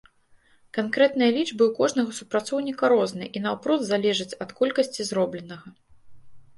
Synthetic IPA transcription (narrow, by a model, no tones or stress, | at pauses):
kankɾɛt̪̚nɨjɐlʲid͡ʐbɨwkɔʐnɐɣɐsupɾat̪sɔwnʲikɐɾɔznɨ̰ʔinɐwpɾɔd̪zalʲɛʐɨt͡sʲɐt̪kɔlʲkɐsʲt͡sʲizɾɔblʲɛnɐɣɐ